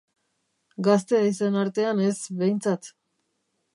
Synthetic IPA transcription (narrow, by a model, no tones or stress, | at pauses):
ɡast̪e̞aisenaɾt̪e̞anezβejnt͡sat̪